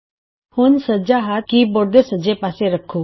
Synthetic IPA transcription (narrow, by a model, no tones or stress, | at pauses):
hʊnsəd͡ʒaːɦaːt̪̚kiːboːɾd̪eːsəd͡ʒeːpaːseːɾəkʰːoː